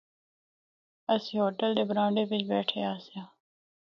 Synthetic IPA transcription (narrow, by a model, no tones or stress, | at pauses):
əsiːɦoːʈəld̪eːbɾãːɳɖeːpɪd͡ʒbeːʈʰḛːaːsjãː